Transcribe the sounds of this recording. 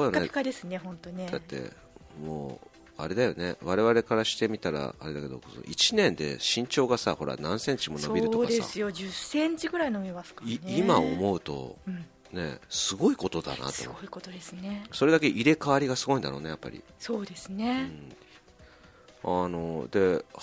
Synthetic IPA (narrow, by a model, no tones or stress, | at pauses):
ojaekad̪esɨneɦõ̞nt̪o̞ned̪at̪ːe̞̰ | moː | aɾe̞d̪ajo̞̰neβaɾe̞β̞aɾe̞kaɾaɕi̥t̪e̞mʲit̪aɾa̰a̰ɾe̞d̪ake̞d̪o̞̰koso̰ʔit͡ɕinẽ̞nd̪e̞̰ɕĩɲ̟t͡ɕo̞ːɡasaho̞ɾa̰nãɰ̃sẽ̞ɲt͡ɕimo̞no̞biɾɯt̪ːokd̪ea̰sɨjod͡ʑɨsẽ̞ɲ̟t͡ɕiɡɯ̟ɾaino̞bʲimasɨ̥kainiimao̰mo̞ɯ̟t̪o̞̰ɯ̃ɴ | ne̞̰sɨɡo̞iko̞t̪o̞d̪a̰na̰t̪ooikot̪od̪esɨneso̞ɾe̞d̪ak̬e̞ʔiɾe̞kaβaɾʲiɡasɨɡo̞ĩnd̪aɾo̞ːnejapːa̰ɾʲḭsoːd̪e̞sɨneɯ | ano̞d̪e̞